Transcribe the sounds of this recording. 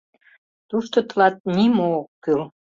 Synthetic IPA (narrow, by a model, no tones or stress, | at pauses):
t̪uʃt̪ot̪lɑt̪̚nimookːyl